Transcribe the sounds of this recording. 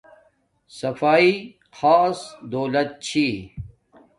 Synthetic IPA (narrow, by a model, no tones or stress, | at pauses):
sɐfaːi | xaːsd̪oːlɐt̪̚t͡ɕʰi